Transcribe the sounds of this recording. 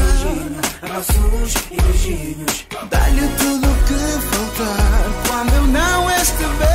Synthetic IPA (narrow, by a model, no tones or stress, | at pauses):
ʒiɲuɔsuuʃiiʒiɲuʃ | d̪a̰ʎɨt̪uðukɨfalˠt̪aɾkwɐ̃nd̪uewnɐ̃w̃eʃt̪ɨve